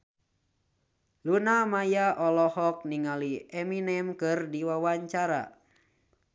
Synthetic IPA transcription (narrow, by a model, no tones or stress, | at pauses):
lunamajaʔɔlɔhɔk̚niŋaliɛminɛmkɨrdiwawaɲt͡ʃaɾa̰